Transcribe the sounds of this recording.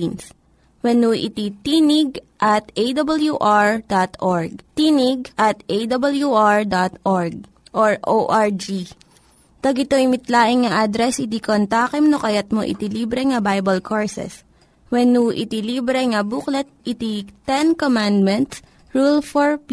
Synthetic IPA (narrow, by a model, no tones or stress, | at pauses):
ns | wɛnuʔɪ̰t̪it̪inɪɡ̚ʔɐt̪ʔejd̪ɐbɐljuʔaɹd̪at̪ʔoɹɡ̚t̪inɪɡ̚ʔɐt̪ʔejd̪ɐbɐljuʔaɹd̪at̪ʔɔɹɡ̚ | ʔoɹʔoʔaɹd͡ʒi | t̪ɐɡɪt̪oɪmɪt̪laːʔɪŋŋɐʔad̪ɾɛsʔɪt̪ikont̪aːkɛmnokɐjɐt̪̚moʔɪ̰t̪iliːbɾɛŋɐbajbɐlkʰoɹsɛ̰s | wɛnuʔɪ̰t̪iliːbɾɛŋɐbuklɛt̪̚ʔɪt̪it̪ɛnkomand̪̚mɛnt̪s | ɹulfɔɹp